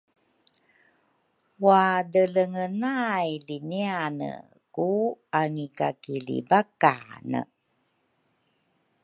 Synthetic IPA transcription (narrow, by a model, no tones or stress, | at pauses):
wadələŋənajlinianə̰ | kuaŋikakilḭbakanə̰